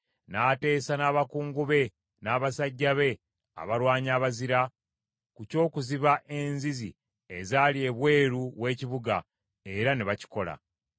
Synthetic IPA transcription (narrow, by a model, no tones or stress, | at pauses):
naːte̞ːsanaːβakuːŋɡuβe̞ | naːβasaɟːaβe̞ | a̰βaɾwaːɲaːβaziɾa | kuco̞ːkuziβaʔe̞nzizḭ | e̞zalie̞βwe̞ːɾuβwe̞ːciβuɡa̰ | e̞ɾaneβaci̥ko̞la̰